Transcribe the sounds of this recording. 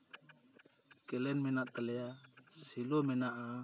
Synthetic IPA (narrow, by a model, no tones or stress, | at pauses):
kɛlɛnmɛnaʔt̪ɛlɛjasilɔmɛnaʔa